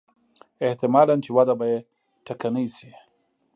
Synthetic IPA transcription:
ɪht̪ɪmɑlant͡ʃewad̪abaje | ʈakanəjsi

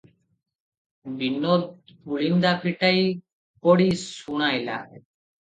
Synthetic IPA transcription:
bʱinːod̪puɭind̪apʰiʈaj | poɽisuɽ̃ajla̰

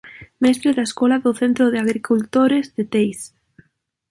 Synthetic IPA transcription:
mɛst̪ɾeðaeskɔlaðʊθent̪ɾʊðɪaɣɾikult̪oɾezðɪt̪ejs

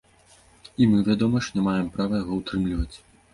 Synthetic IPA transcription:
imɨvʲad̪ɔmɐʂnʲɛmajɛmpɾavɐjaɣɔwt̪ɾɨmlʲivɐt͡sʲ

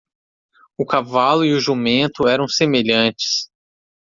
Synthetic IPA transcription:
ʊkavalʊiʊʒumẽnt̪ʊɛɾɐ̃w̃semeʎɐ̃t͡ʃɪ̥s

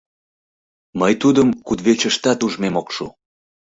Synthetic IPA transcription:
məjt̪ud̪əmkud̪βet͡ɕəʃt̪ɑt̪uʒmemokʃu

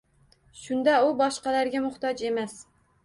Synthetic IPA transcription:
ʃund̪ɛubɑʃqɑlæɾɡʲɛmʊχt̪ɑd͡ʒemɛs

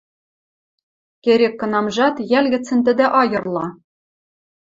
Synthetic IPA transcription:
kʲeɾʲekːɤ̆nɑmʒɑt̪jælʲɡʲɘ̆t͡sːɘ̆nt̪ɘ̆d̪ɘ̆ʔɑjɤ̆rlˠɑ

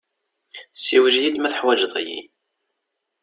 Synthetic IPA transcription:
siwəʒjid̪mæθəħwæd͡ʒðˤæ̰jḭ

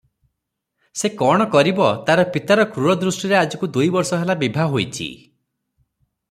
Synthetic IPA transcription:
sekɔɽ̃ɔkɔɾibɔt̪aɾɔpit̪aɾɔkɾuɽɔd̪ɾusʈiɾead͡ʒɔkud̪ujbɔɾsɔɦelabibʱaɦojt͡ʃʰḭ

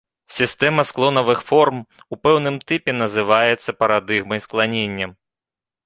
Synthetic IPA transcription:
sʲist̪ɛmɐsklˠɔnɐvɨxfɔrmupɛwnɨmt̪ɛpʲɛn̪ɐzɨvajɛt̪sːɐpɐɾad̪ɨɣmɐjsklˠanʲenʲːɐm

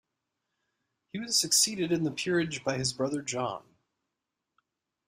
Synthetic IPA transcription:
hiwʌz̥sɨksiɾɨɾɨ̃nðəpʰɪɹɪd͡ʒbaɪɨzbɹʌðə˞d͡ʒɑ̰̃n

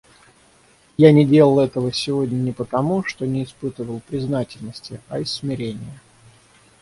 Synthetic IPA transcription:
janʲɪdʲe̞lˠəlˠɛt̪əvəsʲɪvo̞dʲnʲənʲɪpət̪ɐmuʂt̪o̞nʲɪːspɨt̪əvəlˠpɾʲɪznatʲɪlʲnəsʲtʲɪɐɪsːmʲɪɾʲenʲɪjə

